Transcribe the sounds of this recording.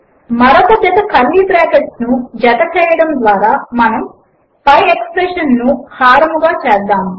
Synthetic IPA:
mɐɾɐkɐt̪ɛt̪ɐkɐlːibɾaːkeʈsnud͡ʒɐt̪ɐt͡ʃɛːjɐɽɐmd̪ʋaːɾaːmɐnɐm | pɐjekspɾeːʃɐnːuhaːɾɐmuɡaːt͡ʃɛːd̪aːmu

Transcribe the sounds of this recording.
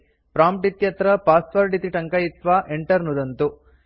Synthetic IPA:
pɾaːmp̚ʈit̪jɐt̪ɾɐpaːspɐɾɖit̪iʈɐŋkɐjit̪ʋaʔeɳʈɐɾnud̪ɐnt̪u

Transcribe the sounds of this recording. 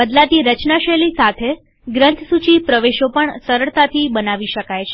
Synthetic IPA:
bəd̪lat̪iɾət͡ʃnaʃelisat̪ʰe | ɡɾənt̪ʰsut͡ʃipɾəʋeʃopəɳsəɾəɭt̪at̪ʰibənaʋiʃəkajt͡ʃʰe

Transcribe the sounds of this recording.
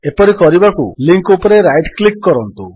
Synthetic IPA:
epɔɾikɔɾibakṵliŋkupɔɾeɾajʈklikːɔɾɔnt̪u

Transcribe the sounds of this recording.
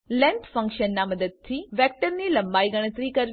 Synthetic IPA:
lɛ̃nt̪fə̃ŋkʃənːaməd̪əd̪̚t̪ʰiʋɛk̚ʈəɾnilə̃mbaiɡəɽ̃ət̪ɾikəɾ

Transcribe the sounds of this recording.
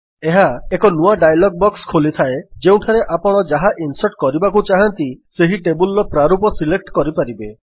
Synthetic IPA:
eɦaekɔnuaɖajlɔɡ̚bɔkskʰolit̪ʰaed͡ʒeũʈʰaɾeʔapɔɽ̃ɔd͡ʒaɦaʔinsɔʈkɔɾibakut͡ʃaɦant̪iseɦiʈebulɾɔpɾaɾupɔsilek̚ʈkɔɾipaɾibe

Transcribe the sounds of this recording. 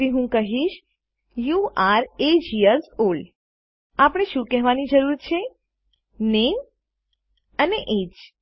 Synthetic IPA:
iɦũkəɦiʃ | juaɾed͡ʒiəlsol | apɽ̃eʃũkɛɦʋanid͡ʒəɾuɾt͡ʃʰe | nem | əneʔed͡ʒ

